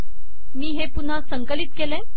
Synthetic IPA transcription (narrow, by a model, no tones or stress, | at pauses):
miːɦepun̤asəŋkəlit̪̚kelẽ